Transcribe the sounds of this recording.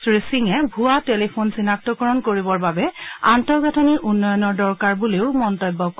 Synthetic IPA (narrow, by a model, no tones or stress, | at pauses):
sɹisiŋɛbʱuatelipʰonsinak̚tɔkɔɹɔnkoɹibɔɹbabɛantɔɹɡatʰɔniɹʔunːɔjɔnɔɹdɔɹkaɹbuleʊmɔntɔjbːɔk